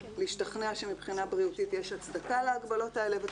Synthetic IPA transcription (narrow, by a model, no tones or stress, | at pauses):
liːʃtaχneaʃe̞mibχinabʁiutitjeʃat͡sd̪akaleaɡbalo̞tae̞le̞ve